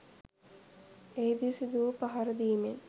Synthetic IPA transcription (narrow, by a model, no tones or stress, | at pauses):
ejd̪isid̪uːpɐɦɐɾɐd̪iːmen